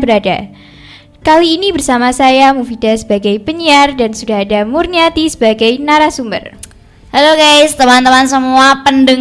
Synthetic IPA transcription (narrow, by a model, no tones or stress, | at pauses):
bəɾada | kaliːnibərsamasajamufid̥asə̥baɡajpəɲiardansudaɦadamurniat̪isə̥baɡajnaɾasumbər | haloɡajst̪əmant̪əmansəmuapəndəŋ